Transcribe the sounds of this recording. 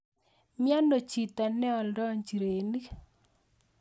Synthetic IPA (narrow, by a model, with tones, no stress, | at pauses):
mja˦ndo˨t͡ʃi˨t̪a˨nɛ˦ɔ˨ldɔ˦ɲd͡ʒi˨ɾe˨ni˦